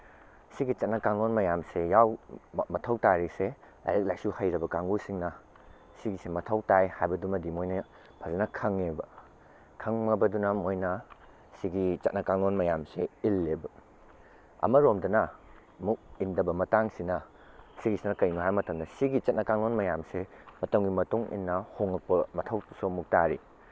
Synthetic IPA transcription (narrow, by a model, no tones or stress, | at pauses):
siɡit͡ʃɐt̚nɐkaŋlonmɐjamsejawmɐtʰɐwtaɾise | la̰jlek̚lajsuhɐjɾɐbɐkaŋɡusiŋnɐ | siɡisemɐtʰɐwtajhajbɐdumɐdimojnɐ | pʰɐzenɐkʰɐŋebɐ | kʰɐŋmɐbɐdunɐmojnɐ | siɡit͡ʃɐt̚nɐkaŋlonmɐjamseilːebɐ | ɐ̰mɐɾomdɐnɐ | muk̚indɐbɐmɐtaŋsinɐ | siɡisinɐkɐjnuɦajmɐtɐmdɐsiɡit͡ʃɐt̚nɐkaŋlonmɐjamse | mɐtɐmɡimɐtuŋḭnːɐhoŋɐk̚pɐmɐtʰɐwsomuk̚taɾḭ